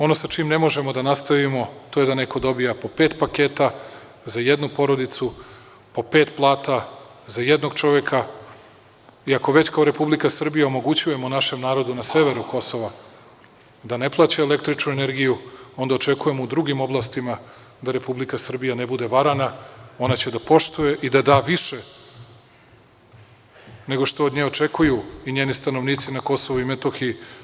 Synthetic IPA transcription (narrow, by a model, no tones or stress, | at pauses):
o̞no̞sat͡ʃiːmne̞mo̞ʒe̞mo̞d̪anast̪aʋimo̞t̪o̞je̞d̪ane̞ko̞d̪o̞bijapo̞peːt̪pakeːt̪a | zaje̞d̪nupo̞ɾo̞d̪it̪su | po̞peːt̪plˠaːt̪azaje̞d̪no̞ɡt͡ʃo̞ʋjekʰa | iako̞ʋe̞t͡ɕkaoɾe̞publikasr̩bijaomo̞ɡut͡ɕuje̞monaʃe̞mnaːɾo̞d̪unase̞ʋe̞ɾuko̞so̞ʋa | d̪ane̞plˠaːt͡ɕaele̞kt̪ɾit͡ʃnuene̞ɾɡijuo̞nd̪aot͡ʃe̞kuje̞moud̪ɾuɡimo̞blˠast̪ima | d̪aɾe̞publikasr̩bijane̞bud̪e̞ʋaɾanao̞nat͡ɕe̞d̪apo̞ʃt̪uje̞ʔid̪ad̪aːʋiʃe̞ | ne̞ɡo̞ʃt̪o̞oːd̪ɲeːot͡ʃe̞kujuiɲeːnist̪ano̞ʋniːt̪sinako̞so̞ʋuimet̪oxi